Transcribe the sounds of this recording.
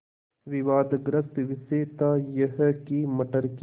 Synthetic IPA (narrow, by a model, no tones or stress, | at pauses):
ʋɪʋaːd̪ɡɾɐst̪ʋɪseːt̪aːjɐɦkimɐʈɐɾk